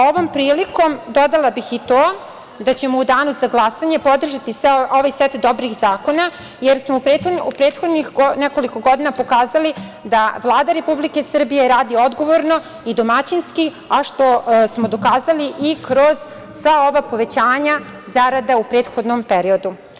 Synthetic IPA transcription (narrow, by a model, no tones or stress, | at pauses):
o̞ʋo̞mpɾiːliko̞md̪o̞d̪alˠabixit̪oː | d̪at͡ɕe̞moud̪aːnuzaɡlˠasaɲe̞po̞d̪r̩ʒat̪iseoʋajset̪d̪o̞bɾixzaːko̞na | jeɾsmoupɾeoupɾe̞ːt̪xod̪nixɡonɛko̞liko̞ɡo̞d̪inapo̞kaːzalid̪aʋlˠaːd̪aɾe̞publike̞sr̩bije̞ɾaːd̪io̞d̪ɡo̞ʋo̞ɾno̞ | id̪omat͡ɕinski | aʃt̪o̞smo̞d̪o̞kaːzaliʔikɾo̞z̥ | sʋao̞ʋapo̞ʋe̞t͡ɕaːɲa | zaɾad̪aupɾeːt̪xo̞d̪nompeɾio̞d̪u